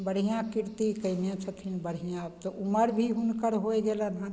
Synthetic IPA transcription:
bəɽ̤ijãkɪɾt̪ikəinjãt͡ʃʰət̪ʰinbəɽ̤ijãbt̪oʔʊməɾbʱiɦʊnkəɾɦoeɡelənã

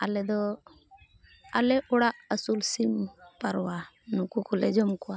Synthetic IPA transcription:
alɛd̪ɔ | aleʔɔɽaʔəsulsimpaɾwa | nukukuled͡ʒɔmkua

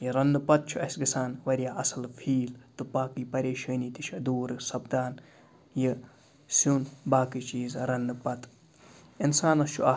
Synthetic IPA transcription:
jiɾɐnd̪ɨpɐt̪̚t͡ʃʰuɐsʲɡisaːnʋɐɾijaːɐsɐlfʰiːlt̪ɨpaːkipɐɾeːʃɐːniːt̪it͡ʃʰɐd̪uːɾɨsɐbd̪aːn | ji | suːnbaːkit͡ʃiːzɾɐnd̪ɨpɐt̪ | insaːnɐst͡ʃʰuɐ

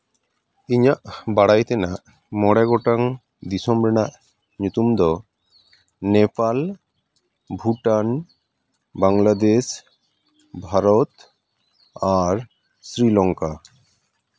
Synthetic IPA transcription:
iɲaʔbaɽajt̪ɛnaʔ | mɔɽaɡɔʈaŋ | d̪isɔmɾɛnaʔ | ɲut̪umd̪ɔ | nɛpal | bʱuʈan | baŋlad̪es | bʱaɾɔt̪ | aɾ | sɾilɔŋka

